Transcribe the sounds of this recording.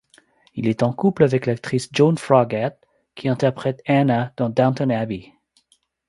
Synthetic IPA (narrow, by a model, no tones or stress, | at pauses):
ḭlɛt̪ɑ̃kuplavɛklak̚t̪χisd͡ʒɔ̃nfʁaɡat̪ | kʰʲiɛ̃t̪ɛʁpχɛt̪anad̪̥ɑ̃d̪ãnt̪ənabi